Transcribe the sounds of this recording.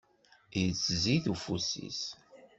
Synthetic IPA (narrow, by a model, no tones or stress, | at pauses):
jət͡sːziθufusḭs